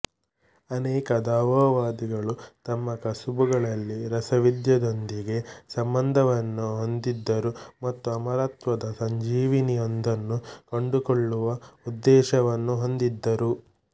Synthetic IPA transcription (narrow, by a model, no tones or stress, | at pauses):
ɐnɛːkɐd̪aːʋɐʋaːd̪iɡɐɭut̪ɐmːɐkɐsubuɡɐɭɐlːiɾɐsɐʋid̪jɐd̪o̞nd̪iɡe̞sɐmbɐnd̪ʱɐʋɐnːuɦo̞nd̪id̪ːɐɾumɐt̪ːuɐmɐɾaːt̪ʋɐd̪ɐsɐɲd͡ʒiːʋinijond̪ɐnːukɐɳɖukoɭːuʋɐud̪ːɛːʃɐʋɐnːuɦo̞nd̪id̪ːɐɾu